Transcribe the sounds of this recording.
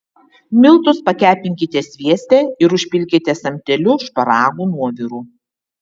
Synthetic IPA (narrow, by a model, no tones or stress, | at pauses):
mʲɪlˠˑt̪ʊspɐkʲæːpʲɪŋʲkʲɪt̪ʲɛsʲʋʲiɛsʲt̪ʲɛɪɾʊʃʲpʲɪlʲkʲit̪ʲɛsɐmʲt̪ʲɛlʲʊʃpɐɾɑːɡuːnuɔʋʲiːɾuː